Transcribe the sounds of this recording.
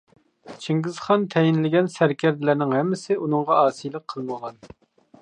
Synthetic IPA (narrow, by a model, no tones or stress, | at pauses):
t͡ʃʰiŋɡʲɪzχɑnt̪ʰɛjɪnlɪɡʲɛnsæɾkʲæɾd̪ɪlæɾnɪŋhɛmːɪsɪʔunɨŋʁɑɑːsijlˠəqʰːəlˠməʁɑn